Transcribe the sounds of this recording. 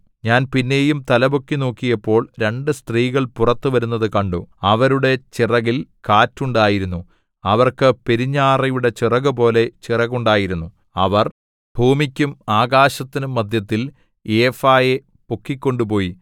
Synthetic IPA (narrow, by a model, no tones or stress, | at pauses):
ɲaːnpinːe̞ːjumt̪ɐlɐbokːino̞ːkːijɐpːo̞ːɭɾe̞ɳɖɨst̪riːɣɐɭpurɐt̪ːuʋɐɾunːɐðɨkɐɳɖoɐʋɐɾuɽe̞t͡ɕirɐɣilkaːtːuɳɖaːjiɾunːu | ɐʋɐrkɨpe̞ɾiɲːaːrɐjuɽe̞t͡ɕirɐɣɨp̬o̞ːle̞t͡ɕirɐɣuɳɖaːjiɾunːu | ɐʋɐr | bʱuːmikʲːumaːɣaːɕɐt̪ːinumːɐd̪ʱjɐt̪ːil | eːfaːje | pokːikʲːo̞ɳɖupo̞ːji